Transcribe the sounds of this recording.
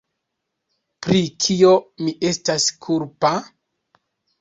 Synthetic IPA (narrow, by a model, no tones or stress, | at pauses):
pɾikʰio̞miʔe̞staskʰuɾpa